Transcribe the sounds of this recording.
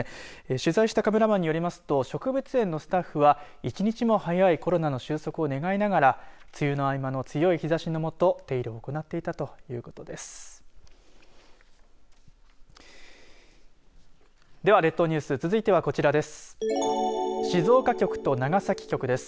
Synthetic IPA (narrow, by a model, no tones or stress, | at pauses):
eɕɨzaiɕi̥t̪akame̞ɾamaɲ̟ːijo̞ɾʲimasɨ̥t̪o̞ɕo̞kɯ̟bɯt͡sɨẽ̞nːo̞sɨ̥t̪aɸːɯ̟βa | it͡ɕiɲ̟it͡ɕimo̞hajaiko̞ɾo̞nano̞ɕɨːso̞kɯ̟o̞ne̞ɡainaɡaɾat͡sɨjɯno̞aimano̞t͡sɨjo̞içizaɕino̞mo̞t̪o̞t̪e̞iɾɯ̟oːko̞nat̪ːe̞it̪at̪o̞jɯ̟̰ːko̞̥t̪o̞d̪e̞sɨ̥ | d̪e̞βaɾe̞t̪ːo̞ɲ̟ɨ̟ːsɨt͡sɨzɨit̪e̞β̞ako̞t͡ɕiɾad̪e̞sɨ̥ | ɕizo̞ːkakʲo̞kɯ̟̥t̪o̞naɡasakʲi̥kʲo̞kɯ̟d̪e̞sɨ̥